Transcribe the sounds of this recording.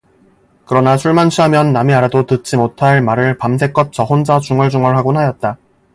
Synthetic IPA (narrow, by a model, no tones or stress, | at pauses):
kɯɾʌnasʰuɭmanɕʰiɦamjʌnːamiaɾadotɯt̚t͡ɕ͈imotʰaɭmaɾɯɭpams̬ʰe̞k͈ʌp̚t͡ɕ͈ʌɦond͡ʑat͡ɕuŋɯɭd͡ʑuŋʌɭɦaɡonɦajʌt̚t͈a